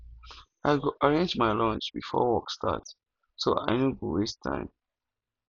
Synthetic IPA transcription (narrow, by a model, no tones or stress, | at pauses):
aɪɡoʔaɹẽnd͡ʒmaɪlɔ̃nt͡ʃb̥ḭfɔ̰wɔkstʰa̰t | soa̰ɪnoɡowestʰã̰ɪ̃m